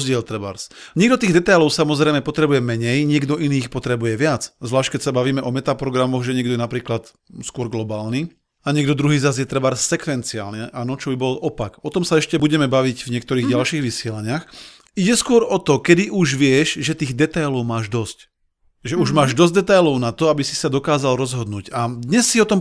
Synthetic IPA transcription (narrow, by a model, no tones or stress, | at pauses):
zɟɪɛlt̪ɾɛba̰ɾsɲɪɛɡ̚d̪ɔt̪iːɣd̪ɛt̪ajlɔʊsamɔzɾɛjmɛpɔt̪ɾɛbujɛmɛɲɛjɲɪɛɡd̪ɔʔiniːxpɔt̪ɾɛbujɛʋɪat͡szʋlaːʃc̚kɛcsabaʋiːmɛʔɔmɛt̪apɾɔɡɾamɔɣʒɛɲɪɛɡ̚d̪ɔjɛnapɾiːklat̪ | skʊɔɾɡlɔbaːlni | aɲɪɛɡd̪ɔd̪ɾuɦiːzazjɛt̪ɾɛbaɾsɛkʋɛnt͡sia̰ːlnɛʔanɔt͡ʃɔbibɔlʔɔpakɔt̪ɔmsaɛʃcɛbuɟɛmɛbaʋiɟvɲɪɛkt̪ɔɾiːɣɟalʃiːɣʋisɪɛlaɲɪax | iɟɛskʊɔɾɔt̪ɔkɛd̪iʔuʒʋɪɛʃʒɛt̪iːɣd̪ɛt̪ajlɔʊmaːʒd̪ɔsc | ʒɛuʒmaːʒd̪ɔzɟ̚d̪ɛt̪ajlɔʊnat̪ɔabisi̥sad̪ɔkaːzalɾɔzɦɔd̪nuːcad̪ɲɛsːiɔt̪ɔm